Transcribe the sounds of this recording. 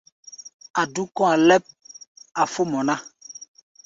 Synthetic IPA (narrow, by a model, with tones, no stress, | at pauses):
a˨du˦kɔ̃˦a˨lɛ˦p̚a˨fo˦mɔ̃˨nã˦